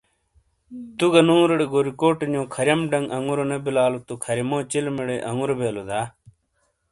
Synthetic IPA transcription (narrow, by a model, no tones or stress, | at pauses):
t̪uɡɐnũːɾɐɽeɡoɾikoːʈɲõːkʰɐɾjɐmɖɐŋɡɐŋuɾonebilaːlot̪ukʰɐɾɐmõːt͡ɕilmiɽeʔɐŋuɾobeːlod̪aː